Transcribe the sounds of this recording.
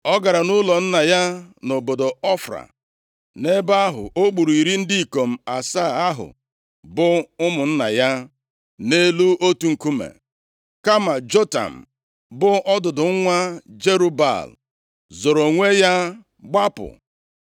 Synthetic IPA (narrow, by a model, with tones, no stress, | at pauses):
ɔ˦ɡa˨ɾa˨nʊ˦lɔ˨n̩˦na˨ja˦no˨bo˨do˨ɔ˦fɾa̰˨ | ne˦ba˦ɦʊ̰˨ʔo˦k͡pu˨ɾu˨i˨ɾi˦n̩˦di˦i˨ko˨m̩˨a˨sa˦˨a˦ɦʊ̰˨ | bʊ˦ʊ˦mʊ˨n̩˦na˨ja˦ | ne˦lu˦o˦tu˨ŋ̩˨ku˦mḛ˨ | ka˦ma˨d͡ʒo˦ta̰˨m̩˨ | bʊ˦ʔɔ˦dʊ˨dʊ˨ŋ˦ŋʷa˦d͡ʒe˦ɾu˦ba̰˨l | zo˨ɾo˨ŋʷe˦ja˦ | ɡ͡ba˦pʊ̰˨